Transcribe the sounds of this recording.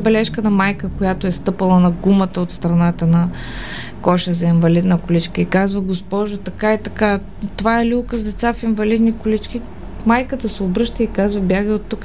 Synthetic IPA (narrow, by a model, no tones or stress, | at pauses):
bɛlɛʃkənɐmajkəkojat̪oɛst̪ɤpəlˠənɐɡumət̪əot̪st̪ɾɐnat̪ənɐ | kɔʃəzɐinvɐlid̪nəkʊlit͡ʃkəikazvəɡospɔʒʊt̪ɐkaɛt̪ɐka | t̪ovaɛlʲulˠkəzd̪ɛt̪safinvɐlid̪nikʊlit͡ʃk̟ʲi | majkət̪əsɛobɾɤʃt̪əikazvɐbjaɡəot̪ːuk